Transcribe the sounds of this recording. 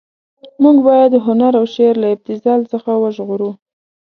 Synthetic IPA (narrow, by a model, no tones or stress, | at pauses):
muɡbɑjad̪ːəɦʊnaɾawʃeɾlaɪb̚t̪ɪzɑlsəxawəʒɣuɾu